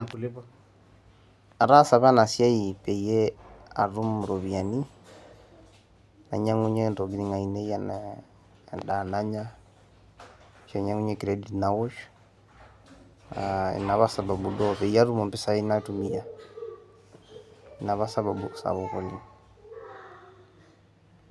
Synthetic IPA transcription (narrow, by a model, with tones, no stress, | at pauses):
kuli˦pa | a˨ɾa˦sa˨βa˦na˨sja˦ipɛ˨iɛ˦a˨ɾu˦m˨ɾɔ˨βi˨a˨ni˦ | na̰˨ɲa˦ŋu˦ɲɛ˦ndɔ˨ɡɾi˦ŋa˨i˨nɛ˦ja˦n | da˨na˦ɲa˦ | ʃa˨ɲa˦ŋu˦ɲɛki˨ɾɛdinawɔ˦ʃ | ɛ̰˨na˨βa˦sa˨ba˨budɔ˦pɛ˨i˦a˦ɾu˦mɔ˨mpɛ˦sa˦ina˦tu˦mi˦ja˨ | ina˨βa˦sa˦βa˨busa̰βɔɣɔ˨li